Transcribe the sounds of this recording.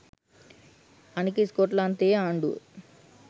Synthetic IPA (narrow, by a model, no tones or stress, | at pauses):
anik̬iskoːʈlaːnt̪eːaːɳɖṵ